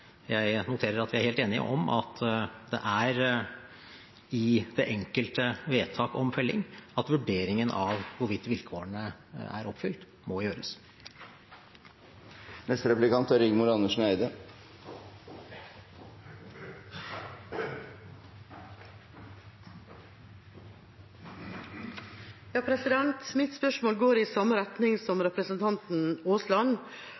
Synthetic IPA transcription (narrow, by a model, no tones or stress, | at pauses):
jæɪnʊt̪ʰeːɾəɾɑt̪ʋɪæɾheːlt̪eːnɪə̰ʔɔmʔɑ̰t̪ʰd̪ɛ̰ʔæɾ | ɪd̪̥ɛʔɛŋkəlt̪əʋeːt̪ʰɑːkɔmfœlːɪ̰ŋɑt̪ʋʉɖeːɾɪŋənʔɑʋʋʊɾʋɪt̪ːʋɪlkʰoːəɳəæ̰ɾɔpfʏlt̪ | mɔjøːɾəs | nɛst̪əɾɛplɪkɑnt̪æɾɪɡmʊɾɑnəʂn̩æɪd̪ə | jɑːpʰɾɛsɪd̪ɛnt̪mɪt̪spœʂmoːlɡoːɾɪsɑmːəɾɛt̪nɪŋsɔmɾɛpɾəsənt̪ʰɑnt̪n̩oːslɑn